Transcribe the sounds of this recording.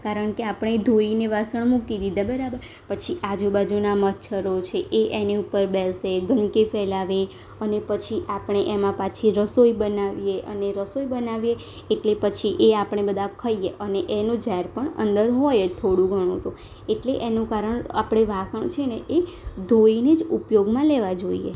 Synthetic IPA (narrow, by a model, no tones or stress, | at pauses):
kaɾəɳkeapɽ̃ed̪ʱoineʋasəɳmukid̪id̪abəɾabəɾ | pət͡ʃʰiʔad͡ʒubad͡ʒunamət̪ːt͡ʃʰəɾot͡ʃʰeʔeʔeniupəɾbɛlseɡənkifɛlaʋe | ənepət͡ʃʰiʔapɳ̃eʔemãpat͡ʃʰiɾəsoibənaʋijeʔə̰neɾəsoibənaʋijeː | ʈlepət͡ʃʰiʔeapɽ̃ebəd̪ʱãkʰəieʔəneʔenũd͡ʒaɦeɾpəɳə̰nd̪əɾɦɔjet̪ʰoɽũɡʱəɽ̃ṵ̃t̪ũ | eʈleʔenũkaɾəɳa̰pɽ̃eʋasəɳ̃t͡ʃʰeneʔe | d̪ʱoined͡ʒupjoɡmãleʋad͡ʒoḭjḛ